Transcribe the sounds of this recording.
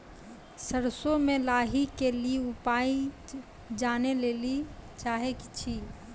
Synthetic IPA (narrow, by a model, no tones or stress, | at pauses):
səɾsomelaɦikelieupai | d͡ʒanelelit͡ʃaɦekt͡ʃʰi